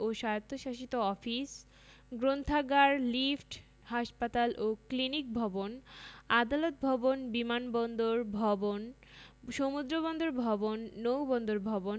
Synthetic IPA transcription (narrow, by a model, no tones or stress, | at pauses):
oʃajot̪ʰːoʃaʃit̪oɔfis | ɡɾont̪ʰaɡaɾlifʈ | haʃpat̪alʔoklinik̚bʱɔbonad̪alot̪̚bʱɔbonbimanbɔnd̪oɾbʱɔbon | ʃomud̪ɾobɔnd̪oɾbʱɔbonːowbɔnd̪oɾbʱɔbon